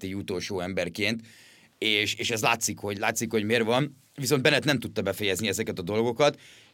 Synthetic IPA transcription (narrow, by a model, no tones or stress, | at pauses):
t̪iut̪o̞lʃoːɛmbɛrkeːnt̪ | eːʃeːʃɛzlaːt̪sikho̞ɟlaːt̪sikho̞ɟmeːrvɒn | viso̞nd̪bɛnːɛt̪nɛmt̪ut̪ːɒbɛfɛjɛzniɛzɛkɛt̪ɒd̪o̞lɡo̞kɒt̪